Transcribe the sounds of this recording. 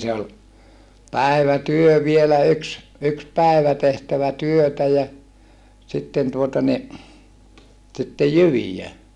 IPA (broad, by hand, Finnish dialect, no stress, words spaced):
se ol pæi̯ʋætyø ʋielæ yks yks pæˑiʋæ tehtæʋæ tyøtæ jɑ sitːen tuotɑ ni sitːej jyʋijæ